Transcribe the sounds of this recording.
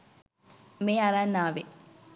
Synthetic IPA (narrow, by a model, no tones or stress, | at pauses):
meːaɾanːaːʋe